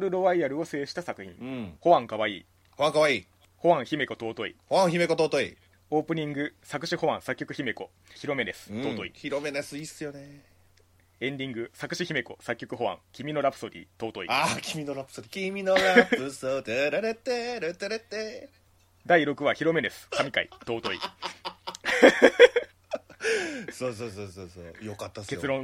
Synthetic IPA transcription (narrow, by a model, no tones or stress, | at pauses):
ɾɯ̟ɾo̞βaiaɾɯ̟o̞seːɕi̥t̪asakɯ̟çḭ̃ho̞βãŋkaβaḭː | hoβãŋkaβaiː | ho̞βãɰ̃çime̞ko̞t̪o̞ːt̪o̞ḭhoβãɰ̃çime̞ko̞t̪o̞ːt̪o̞ḭ | o̞ːpɯ̟ɲ̟ĩŋɡɯ̟sakɯ̟ɕiho̞βãsakʲːokɯ̟çime̞ko̞ | çiɾo̞me̞d̪e̞sɨ̥t̪o̞ːt̪oḭçiɾo̞menasɨisɨjo̞ne | ẽ̞nd̪ʲĩŋɡɯ̟sakɯ̟ɕiçime̞ko̞̰sakʲːo̞kɯ̟ɦo̞βã̰ŋkʲimʲino̞ɾapɯ̥so̞ɾʲḭt̪o̞ːt̪o̞ḭakʲimʲinoɾapɯ̥soɾʲikʲimʲinoɾaɯsot̪eɾaɾet̪eɾet̪eɾet̪e | d̪aiɾo̞kɯ̟βaçiɾo̞me̞d̪e̞sɨ̥kamʲikaḭt̪o̞ːt̪o̞ḭ | soːs̬oːsoːsoːsoːjokat̪ːake̞t͡sɨɾõ̞